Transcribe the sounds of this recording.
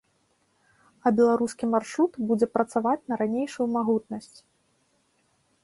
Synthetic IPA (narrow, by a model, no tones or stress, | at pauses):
ɐbʲɛlˠaɾuskʲimarʂɾut̪bud͡zʲɛpɾɐt̪savat͡sʲnɐɾanʲejʂujumaɣut̪̚nɐsʲt͡sʲ